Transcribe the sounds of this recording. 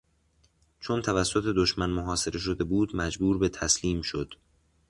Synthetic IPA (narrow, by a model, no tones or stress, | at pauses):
t͡ʃʰo̞nt̪ʰævæsːo̞t̪ʰe̞d̪oʃmænmoɦɒːse̞ɾe̞ʃ̬o̞d̪e̞buːd̪mæd͡ʒbuːɾbe̞t̪ʰæsliːmʃo̞d̪̥